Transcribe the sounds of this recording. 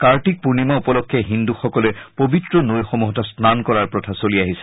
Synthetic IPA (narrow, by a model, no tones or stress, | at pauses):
kaɹtik̚puɹnimɔupɔlɔkʰːɛɦinduxɔkɔlɛpobitɹɔnojxɔmuɦɔtɔsnankɔɹaɹpɹɔtʰasoliaɦisɛ̥